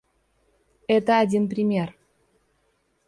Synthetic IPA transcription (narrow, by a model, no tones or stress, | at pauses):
ɛt̪əadʲinp̬rʲimʲer